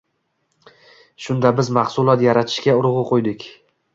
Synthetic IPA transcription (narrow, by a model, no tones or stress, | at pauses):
ʃʊnd̪abɪzmaχsʊlˠɒt̪jaɾat̪ʰɪʃkʲaʊɾʁɨqʰojd̪ɪkʲ